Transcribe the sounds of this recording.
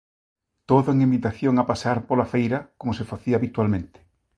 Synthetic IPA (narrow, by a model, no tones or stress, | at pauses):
t̪oðʊeŋimbit̪aθjoŋapaseaɾpolafejɾɐkomosefaθiaβit̪walmẽnt̪ɪ̥